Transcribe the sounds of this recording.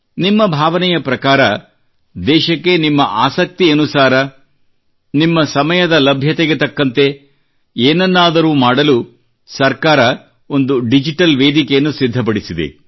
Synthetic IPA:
nimːɐbʱaːʋɐnɛjɐpɾɐkaːɾɐ | d̪ɛːʃɐkːe̞nimːɐʔaːsɐk̚t̪iɐnusaːɾɐ | nimːɐsɐmɐjɐd̪ɐlɐbʱjɐt̪eɡet̪ɐkːɐnt̪e̞ | eːnɐnːaːd̪ɐɾuːmaːɽɐlu | sɐɾkaːɾɐ | o̞nd̪uɖid͡ʒiʈɐlʋeːd̪ikejɐnːusid̪ʱːɐp̬ɐɽisid̪ḛ

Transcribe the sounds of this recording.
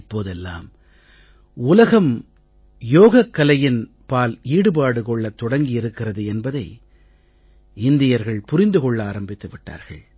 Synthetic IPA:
pːoːðɛlːa̰ːm | ʊlɐɣɐm | joːɣɐkːɐlɐjɪn | paːliːɽɯpaːɽɯkɔɭːɐt̪ːɔɽɐŋɡɪɪɾɯkːɪrɐðɯɛnbɐðɐɪ | ɪnd̪ɪjɐɾɣɐɭpʊɾɪnd̪ɯkɔɭːaːɾɐmbɪt̪ːɐʋɪʈːa̰ːɾɣɐɭ

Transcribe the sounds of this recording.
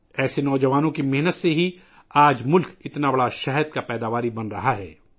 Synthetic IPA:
ɛːsenɔːd͡ʒɐʋaːnõkimɛɦnət̪seɦi | aːd͡ʒmʊlkɪt̪nabɐɽaʃɛɦəd̪̚kapɛːd̪aːʋaːɾibɐnɾɐɦaɦɛ̰ː

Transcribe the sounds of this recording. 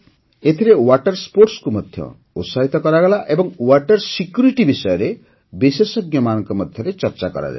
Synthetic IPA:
et̪ʰiɾewaʈɔɾspoɾʈskumɔd̪ʱjɔ̰ | ṵsaɦit̪ɔkɔɾaɡɔlaʔebɔŋwaʈɔɾsikjuɾiʈibisɔjɔɾe | bisesɔɡjɔmanɔŋkɔmɔd̪ʱjɔɾet͡ʃɔɾt͡ʃakɔ̰ɾa̰d̪a̰

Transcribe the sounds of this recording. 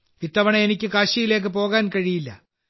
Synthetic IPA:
ʋit̪ːɐʋɐɳeenikʲːɨkaːɕijile̞ːk̬ːɨpo̞ːɣaːnkɐɻijilːɐ̰

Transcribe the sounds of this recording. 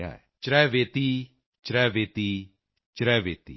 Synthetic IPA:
a̰ | t͡ʃɾɛʋet̪i | t͡ʃɾɛʋet̪i | t͡ʃɾɛʋet̪i

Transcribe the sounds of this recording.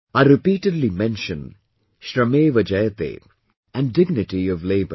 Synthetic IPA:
aɪɾɪpiːʈɨdˡlimɛ̃nʃə̃n | ʃɾəmeːʋəd͡ʒɛjət̪ḛ | ʔæ̃ndɪɡ̚nɪʈiʌvleɪbə̰

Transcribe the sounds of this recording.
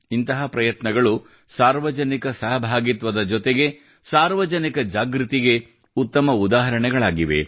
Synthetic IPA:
int̪ɐɦɐpɾɐjɐt̪nɐɡɐɭu | saːɾʋɐd͡ʒɐnikɐsɐɦɐbʱaːɡit̪ʋɐd̪ɐd͡ʒɔt̪eɡe̞ | saːɾʋɐd͡ʒɐnikɐd͡ʒaːɡɾut̪iɡe̞ | ut̪ːɐmɐud̪aːɦɐɾɐɳɛɡɐɭaːɡiʋe

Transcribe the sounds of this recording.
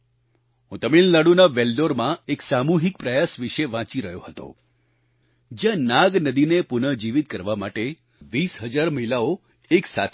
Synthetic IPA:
ũt̪əmilləɽunaʋelɖoɾmãeksamuɦik̚pɾəjasʋiʃeʋãt͡ʃiɾəɦjoɦət̪o̰ | d͡ʒjãnãɡnəd̪inepʊnəd͡ʒiʋit̪̚kəɾʋamaʈe | ʋisɦəd͡ʒaɾməɦilao | eksa̰t̪ʰ

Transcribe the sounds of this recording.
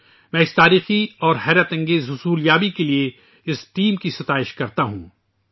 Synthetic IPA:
mɛ̃ːɪst̪aːɾiːxiɔːɾɦɛːɾət̪ɐ̃ŋɡeːzɦʊsuːljaːbikelie | ɪsʈiːmkisɐt̪aːɪʃkɐɾt̪aɦṵ̃ː

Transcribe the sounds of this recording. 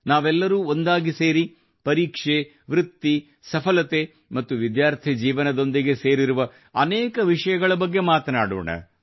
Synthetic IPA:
naːʋɛlːɐɾuːo̞nd̪aːɡiseːɾi | pɐɾiːkʂe | ʋɾɪt̪ːi | sɐpʰɐlɐt̪e | mɐt̪ːuʋid̪jaːɾt̪ʰid͡ʒiːʋɐnɐd̪o̞nd̪iɡe̞seːɾiɾuʋɐ | ɐneːkɐʋiʂɐjɐɡɐɭɐbɐɡːe̞maːt̪ɐna̰ːɽo̰ːɳɐ̰

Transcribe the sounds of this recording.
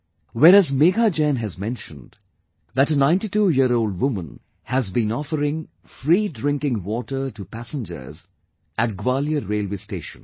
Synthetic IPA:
wɛɾæzmeɡad͡ʒæ̃nɦɨzmɛ̃nʃə̃nd | ðæʈənãɪ̃nʈituːjiəɾoʊld̚wʊmə̃n | hæzbĩnɔfəɾɪ̃ŋ | fɾiːdɾɪ̃ŋkɪ̃ŋwɔʈə˞tupæsə̃nd͡ʒə̰˞z | ʔæt̚ɡwaljəɾeːlweːsteːʃə̰̃n

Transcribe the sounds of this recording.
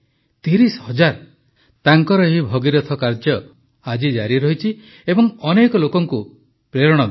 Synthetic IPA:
t̪iɾishɔd͡ʒaɾ | t̪aŋkɔɾɔɦibʱɔɡiɾɔt̪ʰɔkaɾd͡ʒjɔ | ad͡ʒid͡ʒaɾiɾɔɦit͡ʃʰi | ebɔŋɔnekɔlokɔŋku | pɾeɾɔɽ̃ɔd̪e

